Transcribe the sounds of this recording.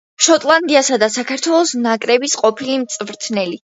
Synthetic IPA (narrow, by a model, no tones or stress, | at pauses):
ʃɔt̪ʼlˠand̪iasad̪asakʰaɾt̪ʰwɛlˠɔsnakʼɾɛbisqʼɔpʰilimt̪sʼvɾt̪ʰnɛli